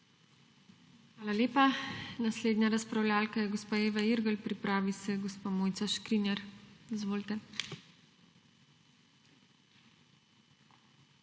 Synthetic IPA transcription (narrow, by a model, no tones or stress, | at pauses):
xʋaːlalʲeːpanasleːd̪nɲaɾaspɾawlʲaːlkajɛɡospaːeːʋaiɾɡəlpɾipɾaːʋisɛɡɔspamoːjt̪saʃkɾinɛɾizʋoːlt̪ɛ